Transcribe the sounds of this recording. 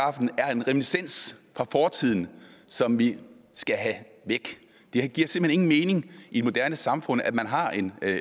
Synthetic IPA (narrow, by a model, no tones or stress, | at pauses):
ɑ̈fd̥n̩æɐe̝nʁɛminisen̰sfʁɑ̈fɒːt͡sʰið̞̰ˠn̩sɒ̽mʋi | sɡ̥æɦæ | ʋeɡ̥ | d̥e̝ɡ̥iɐ̰se̝m̥hene̝ŋn̩me̝ːne̝ŋid̥e̥mo̝d̥æɐnəsɑ̈mfɔ̽n̰æmænɦɑ̈e̝n